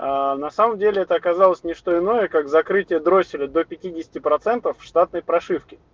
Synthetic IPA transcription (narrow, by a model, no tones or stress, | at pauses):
anɐsaməmdʲelʲɪɛt̪əɐkɐzalˠəsʲnʲɪʂt̪o̞ɪno̞jəkaɡzɐkɾɨtʲɪjəd̪ɾo̞sʲɪlʲɪd̪o̞pʲɪtʲidʲɪsʲɪ̥tʲɪpɾɐt̪sɛnt̪əfʂt̪at̪nəjpɾɐʂɨfkʲɪ